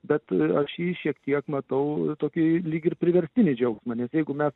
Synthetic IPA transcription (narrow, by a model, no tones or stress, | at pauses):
bʲɛt̪ɐʃjiːʃʲiɛkt̪ʲiɛkmɐt̪ɐʊt̪oːkʲɪlʲiːkʲɪɾpʲɾʲɪʋʲɛɾʲsʲt̪ʲɪnʲɪd͡ʒʲɛʊksmɐnʲɛsjɛɪɡʊmʲɛs